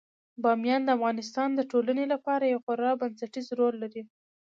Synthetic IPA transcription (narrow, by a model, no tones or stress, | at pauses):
bɑmjɑnd̪əafɣɑnɪs̬t̪ɑnd̪əʈolanelapɑɾajawxʊɾɑbansaʈizɾolːaɾi